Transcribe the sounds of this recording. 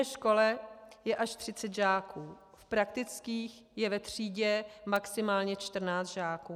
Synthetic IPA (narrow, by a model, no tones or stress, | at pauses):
ɛʃko̞lɛjɛʔaʃt̪r̝̥ɪt͡sɛt̪ʒaːkuː | fpɾakt̪ɪt͡skiːx | jɛvɛt̪r̝̥iːɟɛmaksɪmaːlɲɛt͡ʃt̪r̩naːt͡st̪ʒaːkuː